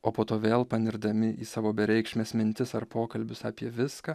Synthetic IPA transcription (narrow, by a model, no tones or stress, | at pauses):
oːpoːt̪oːʋʲeːlˠpɐnʲɪɾd̪ɐmʲɪʔiːsɑːʋoːbʲɛɾʲɛɪkʃʲmʲeːsmʲɪnʲt̪ʲɪsɐɾpoːkɐlʲbʲʊsɑːpʲiɛʋʲɪskaː